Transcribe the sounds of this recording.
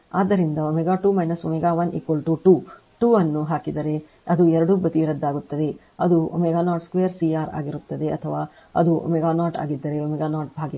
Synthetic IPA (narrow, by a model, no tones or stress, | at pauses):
a̰ːd̪ːɐɾind̪ɐomɛɡaːʈuːmɐjnɐsomɛɡaːʋɐnʔḭkʋɐlʈuʈuː | ʈuːɐnːuɦaːkid̪ɐɾe̞ | ɐd̪uɛɾɐɽubɐt̪iɾɐd̪ːaːɡut̪ːɐd̪e̞ | ɐd̪uo̰mɛɡaːnaːʈskʋejɐɾsiaːɾa̰ːɡiɾut̪ːɐd̪e̞ʔɐt̪ʰɐʋaː | ɐ̰d̪uʔo̰mɛɡaːnaːʈa̰ːɡid̪ːɐɾe̞omɛɡaːnaːɾʈ̚bʱaːɡi